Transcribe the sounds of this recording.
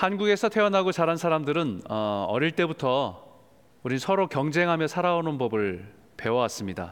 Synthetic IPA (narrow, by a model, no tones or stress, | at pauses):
hanɡuɡe̞sʰʌtʰe̞ʌnɦaɡot͡ɕaɾansʰaɾamdɯɾɯnʌʌɾiɭt͈e̞butʰʌ | uɾinsʰʌɾokjʌŋd͡ʑe̞ŋɦamjʌsʰaɾaonɯnbʌbɯɭ | pe̞wʌwas͈ɯmɲida̰